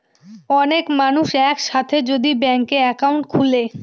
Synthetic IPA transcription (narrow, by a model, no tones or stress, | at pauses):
ɔnekmanuʃɛkʃat̪ʰed͡ʑod̪ibɛŋkeɛkawɳʈkʰule